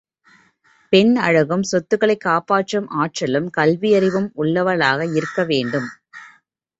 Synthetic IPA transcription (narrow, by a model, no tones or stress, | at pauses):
pɛnɐɻɐɣɯmsɔt̪ːɯɣɐɭɐɪkːaːpaːʈrɐmʔaːʈrɐlɯmkɐlʋɪjɐɾɪʋɯmʊɭːɐʋɐɭaːɣɐɪɾɯkːɐʋeːɳɖɯm